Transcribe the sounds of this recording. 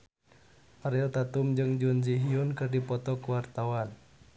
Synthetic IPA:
aɾɛɔt̪at̪umd͡ʒɨŋd͡ʒund͡ʒiɦiunkɨrdipɔt̪ɔkuwart̪awan

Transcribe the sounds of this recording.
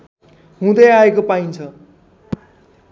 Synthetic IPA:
ɦũd̪ʌjaekopaint͡sʰʌ

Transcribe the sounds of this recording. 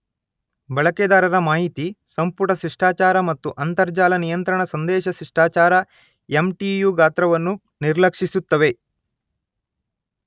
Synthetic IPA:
bɐɭɐkɛːd̪aːɾɐɾɐmaːɦit̪isɐmpuʈɐʃɾiʂʈaːt͡ʃaːɾɐmɐt̪ːuʔɐnt̪ɐɾd͡ʒaːlɐnijɐnt̪ɾɐɳɐsɐnd̪ɛːʃɐʃiʂʈaːt͡ʃaːɾɐ | emʈijuːɡaːt̪ɾɐʋɐnːu | niɾlɐkʂisut̪ːɐʋe̞

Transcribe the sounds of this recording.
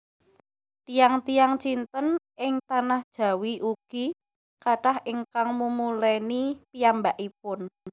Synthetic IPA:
t̪ijaŋt̪ijaŋt͡ʃint̪ənʔɪŋt̪anahd̥ʒ̥a̤wiʔuɡ̥i | kaʈahʔiŋkaŋmumulɛnipijambaʔip̚ʊn

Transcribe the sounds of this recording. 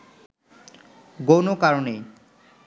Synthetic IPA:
ɡownokaɾone

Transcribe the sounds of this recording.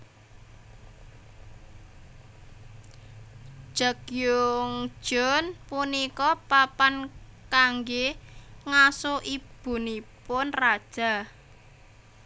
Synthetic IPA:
ʒ̥a̤kjʊŋ̥ʒ̥ɔnpunikɔpapankaŋɡeŋasoʔib̥ṳnipʊnrad̥ʒ̥a̤

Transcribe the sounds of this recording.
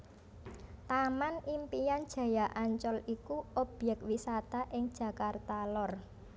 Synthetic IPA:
t̪amanimpijand̥ʒ̥ä̤jaʔaɲt͡ʃɔlikuɔb̥jɛk̚t̪wisat̪aʔɪŋd̥ʒ̥ä̤kart̪alɔr

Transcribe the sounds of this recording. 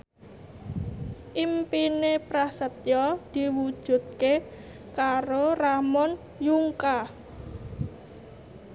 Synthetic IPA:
ʔimpinepɾasət̪̚jɔd̪̥i̤wud̥ʒ̥ṳd̪̚ke | kaɾoramɔn | juŋka

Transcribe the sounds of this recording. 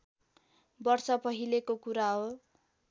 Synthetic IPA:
bʌrsʌpʌɦilekokuɾaɦo

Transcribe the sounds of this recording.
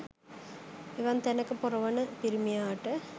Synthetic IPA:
iʋɐnt̪ɐnɐkːɨpurɐʋɐɳɨpiɾumːijaːʈːɨ

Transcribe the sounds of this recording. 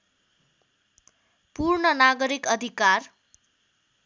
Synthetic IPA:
purɳʌnaɡʌɾikʌd̪ʱikar

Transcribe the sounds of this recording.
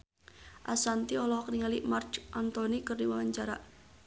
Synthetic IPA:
ʔasant̪iɔlɔkniŋalimart͡ʃʔant̪ɔnikərdiwaaɲt͡ʃaɾa̰ʔ

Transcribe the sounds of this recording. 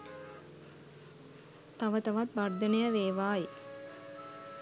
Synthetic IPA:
t̪aʋət̪ɐʋat̪ʋard̪ənejəʋeːʋaːji

